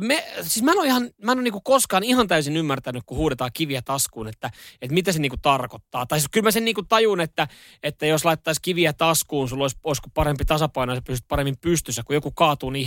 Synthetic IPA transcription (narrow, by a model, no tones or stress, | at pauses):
mesiːsmænoihɑnmænoːˑniːŋkukoskɑːnihɑnt̪æysinymːært̪ænykkuhuːdet̪ɑːkiʋiæt̪ɑskuːnet̪ːæet̪mit̪æseniːkut̪ɑrkot̪ːɑ̰ːt̪ɑikylmæseniːŋkut̪ɑjunet̪ːæ | et̪ːæjoslɑit̪ːɑiskiʋiæt̪ɑskuːnsulːoisoiskupɑrempit̪ɑsɑpɑinojsɑpyst̪̚pɑremːimpyst̪ysːækkujokukɑːt̪uːni